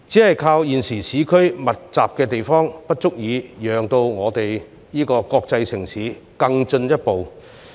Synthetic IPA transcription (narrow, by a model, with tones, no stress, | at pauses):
t͡siː˨˥hɐ˨jkʰaː˧wjiː˨nsiː˨˩siː˨˥kʰɵ˥ɥmɐ˨t̚t͡saː˨p̚kɛː˧t̪e˨jfɔː˥ŋpɐ˥t̚t͡sʊ˥k̚jiː˨˧jœː˨ŋt̪o˧wŋɔː˨˧t̪e˨j | jiː˥kɔː˧kɔː˧k̚t͡sɐ˧jsɪ˨˩ŋsiː˨˥ | kɐ˧ŋt͡ʃɵ˧njɐ˥t̚po˨w